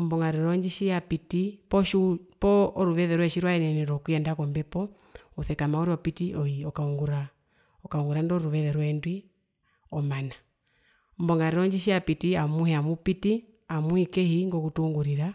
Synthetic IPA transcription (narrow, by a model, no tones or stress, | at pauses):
m̩bɔŋɡaɾɛɾɔɲd͡ʒiʃijapitipɔʃipɔːɾuβɛðɛɾwɛʃiɾwaɛnɛnɛɾɔkwiɛndakɔmbɛpɔ | uθɛkamauɾiɔpitiʔɔiɔkaŋɡuɾa | ɔkauŋɡuɾandɔɾuβɛðɛɾwɛndwi | ɔmana | m̩bɔŋɡaɾɛɾɔɲd͡ʒiʃ̬iapitiamuhɛamupiti | amuikɛhiŋɡɔkutuŋɡuɾiɾa